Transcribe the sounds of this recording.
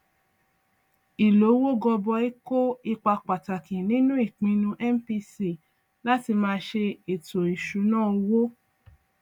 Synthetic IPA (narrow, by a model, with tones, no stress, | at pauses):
i˨lo˨˦wo˦ɡɔ˧bɔ˧i˦ko˦i˧k͡pa˧k͡pa˨ta˨kĩ˨nĩ˦nũ˦i˦˨k͡pĩ˨˧nũ˧ʔɛ˦m˦pi˧si˦˨ | la˦ti˧mãː˧ʃe˧e˨to˨i˨ʃu˨˦nãː˦˨˧wo˦